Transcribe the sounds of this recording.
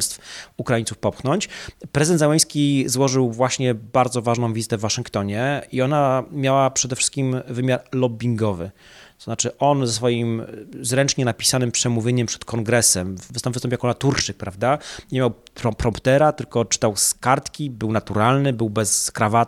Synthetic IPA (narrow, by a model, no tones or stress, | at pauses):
st̪fukɾaiɲntsufpɔpxnɔɲt͡ɕpɾɛzɨɘd̪ɛnd̪zawɛj̃skʲizwɔʐɘwvwaɕɲɛbaɾd̪zɔvaʐnɔ̃w̃vʲizɘ̥t̪ɛvːaʂɘŋkt̪ɔɲɛiɔnamʲjawapʂɛd̪ɛfʂɘ̥st̪̚kʲimvɘmʲjaɾlɔbʲiŋɡɔvɘ̰ | t̪ɔzat͡ʂɘʔɔnzɛsfɔjimzɾɛnt͡ʂɲɛnapʲi̥sanɘmpʂɛmuvʲjeɲɛmpʂɛ̥t̪kʰɔŋɡɾɛsɛmvst̪ɔmvst̪ɔmpʲjakɔlat̪uɾt͡ʂɘk̚pɾavd̪aɲemʲjawpɾɔpɾɔmpt̪ɛɾat̪ɘlkɔt͡ʂɘ̥t̪awskaɾt̪kʲibɘwnat̪uɾalnɘbɘwbɛskɾavat